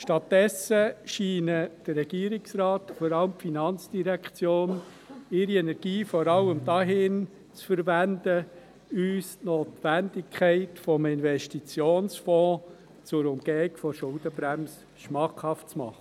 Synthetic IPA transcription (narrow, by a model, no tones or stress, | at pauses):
ʃtɑtːdɛsəʃiːnəd̥ərːɛɡiːɾɪksɾɑːtfɔɾɑləmpfinɑnt͡sd̥iɾækt͡sjoːn | ɪɾiɛnɛɾɡ̥iːfɔɾɑlːəmdɑːɦɪn | t͡sfəɾʋændə | yːstnoːtʋænd̥ɪkʰχɛɪtfɔmɪnvɛʃtit͡sjoːnsfɔ̃ː | t͡sʊɾʊmɡ̥ɛːɪɡfɔʃʊld̥əbɾæms | ʃmɑχhɑftt͡smɑ̰χə